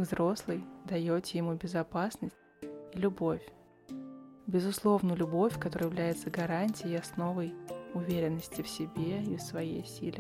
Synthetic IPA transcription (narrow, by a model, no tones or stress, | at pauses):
vzɾo̞slˠɨjd̪ɐjotʲjɪmubʲɪzɐpasnəsʲt̚ʲ | ilʲʊbo̞fʲ | bʲɪzʊslˠo̞vnəlʲʊbo̞fʲkɐt̪o̞ɾəɨjɪvlʲæjɪt̪səɡɐɾanʲtʲɪjɪɐsno̞vəjʊvʲeɾʲɪnːəsʲtʲɪfsʲɪbʲeisvɐjḛjsʲilʲɪ